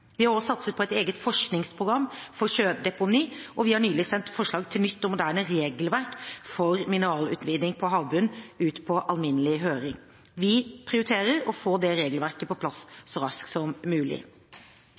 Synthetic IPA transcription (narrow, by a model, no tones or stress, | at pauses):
ʋɪhɑɾoːsɑt̪sət̪pʰɔɛt̪eːɡət̪fɔʂknɪŋspʰɾʊɡɾɑmːfɔɾçøːd̪ɛpʊniːʔɔʋɪhɑɳyːlɪsɛnt̪fɔʂɭɑːɡt̪ʰɪlnʏt̪ːɔmʊd̪æːɾnəɾeːɡəlʋæɾkfɔɾmɪnəɾɑːlʉ̰ːt̪ʋiːd̪nɪŋpʰɔɦɑːʋbʉnːʉːt̪pʰɔʔɑlmɪnəlɪɦøːɾɪŋ | ʋɪpʰɾɪʊɾɪt̪ʰeːɾəɾɔfoːd̪ɛɾeːɡəlʋæɾkəpɔpʰlɑssɔɾɑsksɔmːʉːlɪ̰